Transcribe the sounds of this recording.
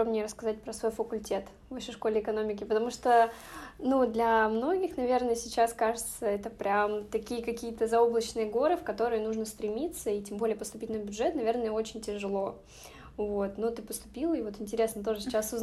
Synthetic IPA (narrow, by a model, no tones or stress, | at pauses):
obnʲɪjəɾəskɐzat̚ʲpɾəsvo̞jfəkʊlʲtʲe̞t̪ | vɐɕeʂko̞lʲɪɪkɐno̞mʲɪkʲɪpət̪ɐmuʂt̪onud̪lʲɐmno̞ɡʲɪxnɐvʲe̞rnəjəsʲɪt͡ɕaskaʐɨt̪səɛt̪əpɾʲamt̪ɐkʲijəkɐkʲijət̪əzɐo̞blˠət͡ɕnɨjəɡo̞ɾɨfkɐt̪o̞ɾɨjənuʐnəst̪ɾʲɪmʲit̪səitʲembo̞lʲɪjəpəst̪ʊpʲitʲnəbʲʊdʐɛt̪nɐvʲe̞rnəjəo̞t͡ɕɪnʲtʲɪʐɨlˠo̞ | vo̞t̪not̪ɨpəst̪ʊ̥pʲilˠəivo̞t̪ɪnʲtʲɪɾʲe̞snət̪o̞ʐɨsʲɪ̥t͡ɕːasʊz